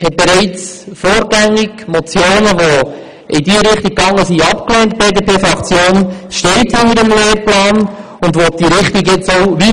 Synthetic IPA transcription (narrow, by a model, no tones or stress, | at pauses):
hɛt̚b̥eɾɛɪt͡s | foːɾɡæŋːiɡmɔt͡sjoːnəʋo | ʔɪdiəɾɪχtiɡ̚ːɑŋːəsiɑpkleːntb̥eːdəpeːfɾɑkt͡sjoːnʃtɛɪthɪndəɾəmleːrplɑːn | ʊndʋɔd̥iɾɪχtiɡɪt͡soʊʋi